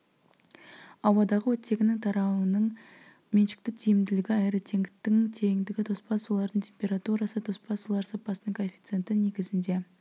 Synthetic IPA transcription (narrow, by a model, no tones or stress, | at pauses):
ɑwɑd̪ɑʁəwɵt̪ːe̞ɡʲɪnɪŋt̪ʰɑɾɑwənəɴ | menʃɪ̥k̚t̪ɪk̚t̪ʰijɪmd̪ɪlɪɡʲɪɑjɾət̪ʰe̞ŋɡʲɪt̪ːɪŋt̪ʰe̞ɾeŋd̪ɪɡʲɪt̪ʰo̞spɑsulˠɑɾd̪əɴt̪ʲʰempʲe̞ɾat̪uɾɑsət̪ʰo̞spɑsulˠɑɾsɑpːɑsənəŋkʰofʲi̥t̪se̞nt̪ɪne̞ɡʲɪzɪnd̪e̞